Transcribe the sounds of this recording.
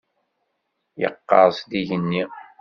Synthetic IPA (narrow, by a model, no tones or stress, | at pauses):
jə̰qːɑ̰ɾˤsd̪iʝənːi